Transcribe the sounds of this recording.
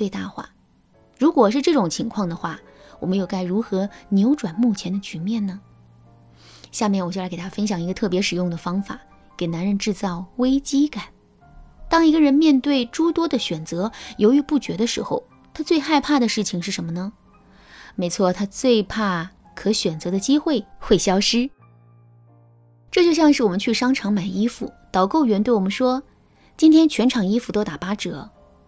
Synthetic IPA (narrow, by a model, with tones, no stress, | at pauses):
we˥˧ɪt̪a˥˧xwa̰˥˩ | ɻu˧˥kwɔ˨˩ʂ̬ɻ̩˥˧ʈ͡ʂɤ˥˩ʈ͡ʂʊ˨˩ŋt͡ɕʰi˧˥ŋkʰwɑ˥˩ŋd̪ə˩xwa˥˩ | wɔ̰˨˩mə˦njo˨˩ʊka˥˩ɪɻu˧˥xɤ˧˥njo˧˥ʊʈ͡ʂwa˨˩nmu˥˩t͡ɕʰjɛ˧˥nd̪ə˧t͡ɕy˧˥mjɛ˥˩nnə˩ | ɕja˥˧mjɛ˥˩nwɔ˨˩t͡ɕjkt̪ʰa˥fə˥nɕ̬jɑ˨˩ŋi˧˥ɡə˧t̪ʰɤ˥˩p̬jɛ˧˥ʂɻ̩˨˩jʊ˥˩ŋd̪ə˩fɑ˥ŋfa̰˨˩˦ | ke˨˩ɪna˧˥nɻə˧nʈ͡ʂɻ̩˥˧t͡sɑ˥˩ʊwe˥ɪt͡ɕi˥ka˨˩˦n | t̪ɑ˥ŋi˧˥ɡə˧ɻə˧˥nmjɛ˥˧nt̪we˥˩ɪʈ͡ʂu˥t̪wɔ˥d̪ə˨ɕɥɛ˨˩nt͡sɤ˧˥jo˧˥ʊy˧˥pu˥˩t͡ɕɥɛ˧˥d̪ə˧ʂɻ̩˧˥xo˧ʊ | t̪ʰa˥t͡swe˥˧ɪxa˥˧ɪpʰa˥˩d̪ə˩ʂɻ̩˥˩t͡ɕʰi˨˩ŋʂɻ̩˥˩ʂə˧˥nmə˧nə˩ | me˧˥ɪt͡sʰwɔ˥˩t̪ʰa˥t͡swe˥˧ɪpʰa˥˩ | kʰɤ˧˥ɕɥɛ˨˩nt͡sɤ˧˥d̪ə˧t͡ɕi˥xwe˥˩ɪxwe˥˩ɪɕjɑ˥ʊʂɻ̩˥ | ʈ͡ʂɤ˥˧t͡ɕjo˥˧ʊɕjɑ˥˧ŋʂɻ̩˥˩wɔ˨˩mə˦nt͡ɕʰy˥˩ʂɑ˥ŋʈ͡ʂʰɑ˧˥ŋma˨˩ɪi˥fṵ˨˩t̪ɑ˨˩ʊko˥˩ʊɥɛ˧˥nt̪we˥˩ɪwɔ˨˩ə˧˦nʂwɔ˥ | t͡ɕi˥nt̪ʰjɛ˥nt͡ɕʰɥɛ˧˥nʈ͡ʂʰɑ˨˩ŋi˥fu˧˩t̪o˥ʊt̪a˨˩pa˥ʈ͡ʂɤ˨˧˩